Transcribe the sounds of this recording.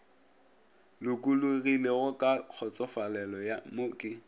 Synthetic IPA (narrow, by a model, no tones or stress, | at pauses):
lʊkʼulʊɣileɣʊkʼak͡xʰɔt͡sʼɔfalɛlɔjamʊːkʼɪ